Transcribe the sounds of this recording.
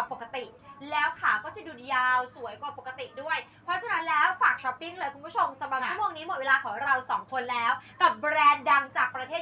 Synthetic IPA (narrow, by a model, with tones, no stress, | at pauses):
pːo˨˩kːa˧t̪i˨˩ʔlɛː˦˥wt̪ʰaː˨˩wkɔː˥˩t͡ɕa˨˩duː˧˩njaː˧wsu˨˩˦əjkwa˨˩po˨˩kːa˧t̪i˨˩ʔdu˥˩əj | pʰɾɔ˦˥t͡ɕʰa˧na˦˥nlɛː˦˥wfaː˨˩k̚t͡ɕʰɔ˦˥pːi˥˩ŋlɤː˧jkʰu˧nkʰt͡ɕʰo˧msa˨˩˦mɾa˨˩p̚t͡ɕʰu˥˩moː˧ŋniː˦˥mo˨˩t̚weː˧laː˧kʰɔː˩˦ŋɾa˧wsɔː˩˦ŋk̪ʰo˧nlɛː˦˥wka˨˩p̚bɾɛː˧nda˧ŋt͡ɕaː˨˩k̚pɾa˧t̪ʰeː˥˩t